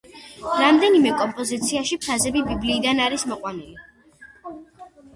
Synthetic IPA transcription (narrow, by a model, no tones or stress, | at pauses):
ɾamd̪ɛnimɛkʼɔmpʼɔzit̪sʰiaʃipʰɾazɛbibibliːd̪anaɾismɔqʼwanili